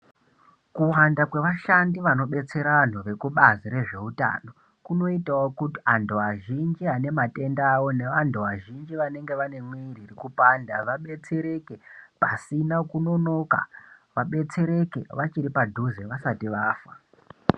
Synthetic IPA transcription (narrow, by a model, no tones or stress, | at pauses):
kuwandakwe̞ʋaʃandiʋano̞ɓe̞t͡se̞ɾan̤uʋe̞kuɓaziɾe̞ʐe̞uta̰no̞ | kuno̞itawokutiandoaʒind͡ʒiɦane̞mate̞ndawo̞ne̞ʋantʰuʋaʒind͡ʒiʋane̞ŋɡe̞ʋane̞mwiririkupaːndaʋaɓe̞t͡se̞ɾe̞ke̞pasinakuno̞no̞ka̰ʋaɓe̞t͡se̞ɾe̞ke̞̰ʋat͡ʃiɾipadʱuzeʋasatiʋaːfa